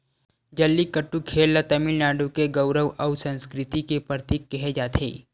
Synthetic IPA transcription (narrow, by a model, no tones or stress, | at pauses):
d͡ʒɐlːikəʈːukʰeːlːət̪ɐmɪlnaːɖukeɡəʊɾəʋʔɐwsə̃nskɾɪt̪ikepəɾt̪iːkːɛɦed͡ʒaːt̪ʰḛː